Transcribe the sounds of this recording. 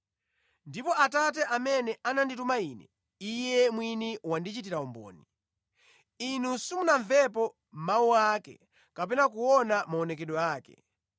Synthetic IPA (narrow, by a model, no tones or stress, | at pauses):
ndipɔʔatat̬ɛʔamɛnɛananditumaiːnɛ̰ | ijɛmwiniwandit͡ʃit̬iɾaɔmbɔ̰ːni | inusumunaɱvɛpɔ | m̩mawuakɛ̰ | kapɛnak̬uɔnamaɔnɛkɛɗɔaːkɛ̰